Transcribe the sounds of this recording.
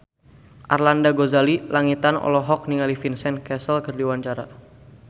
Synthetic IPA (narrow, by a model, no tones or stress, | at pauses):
ʔarlandaɡozalilaŋit̪anɔ̰lɔɦɔk̚niŋalifinsɛnkɛsəlkərdiwaɲt͡ʃaɾa